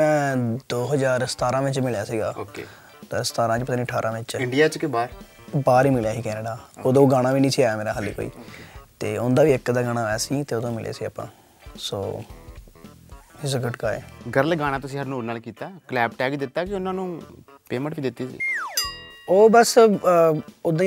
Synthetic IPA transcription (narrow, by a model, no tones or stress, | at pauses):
ɛ̃ːd̪oːɦəzaːɾst̪aːɾãːʋɪt͡ʃmɪljaːsiːɡaːoːkḛː | t̪aːəst̪aːɾãːt͡ʃpət̪aːniːəʈʰaːɾʔãːʋɪt͡ʃɪɳɖijaːt͡ʃkɪbaːɾ | baːɾiːmɪljaːɦiːkɛːneɖaːoːd̪õːɡaːɽ̃ãːʋiːnĩːsiːaːjaːmeːɾaːɦəlḭːko̰ːḭːt̪eːʊnd̪aːʋiːɪkd̪aːɡaːɽ̃aːɛːsiːt̪eːoːd̪õːmɪlʔjḛːsiːa̰ːpːã̰ː | so̰ː | ɪs̬ɡəʈkaːḛːɡəɾəlɡaːɽ̃ãːt̪ʊsĩːɦəɾnuːɾnaːlkiːt̪aːkəlɛːbʈɛːɡd̪ɪt̪ːaːkɪʊnãːnũː | peːmə̃ɳʈbiːd̪ɪt̪ːiːsḭː | oːbəs | ʊd̪ẽ